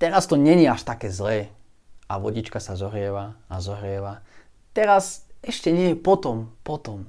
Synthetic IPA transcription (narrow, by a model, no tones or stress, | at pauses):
t̪ɛɾast̪ɔɲɛɲɪɛaʃt̪akɛːzlɛː | ʔaʋɔɟit͡ʃkasazɔɦɾɪɛʋaazɔɦɾɪɛʋa | t̪ɛɾasɛʃcɛɲɛjɛpɔt̪ɔmpɔt̪ɔm